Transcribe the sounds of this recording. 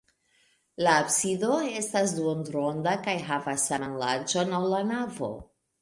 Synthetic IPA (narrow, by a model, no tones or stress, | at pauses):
laːbsido̞e̞stasduondɾo̞ndakajɦavasːananlaɾd͡ʒo̞nawlanavo̞̰